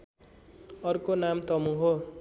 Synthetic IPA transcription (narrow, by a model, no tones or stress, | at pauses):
ʌrkonamt̪ʌmũɦo